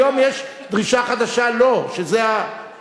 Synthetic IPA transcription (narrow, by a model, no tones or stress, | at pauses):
omjeʃ | d̪ʁiʃaχad̪aʃaloʃezea